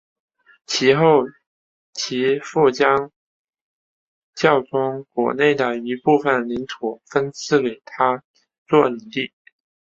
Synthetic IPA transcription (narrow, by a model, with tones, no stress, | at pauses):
t͡ɕʰi˧˥xo˥˩ʊ | t͡ɕʰi˧˥fu˥˩t͡ɕjɑ˥ŋ | t͡ɕjɑ˥˩ʊʈ͡ʂʊ˥ŋkwɔ̰˧˥ne˥˩ɪd̪ə˩i˧˥pu˥˩fə˨˩nli˧˥nt̪ʰu˨˩˦fə˥nt͡sʰɹ̩˥˩ke˨˩ɪt̪ʰa˥ | t͡swɔ˥˩i˨˩ŋt̪i˥˩